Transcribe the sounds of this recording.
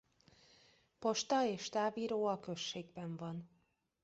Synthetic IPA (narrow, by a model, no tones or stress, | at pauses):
po̞ʃt̪ɒeːʃt̪aːviːɾoːɒkø̞ʃːeːɡbɛɱvɒn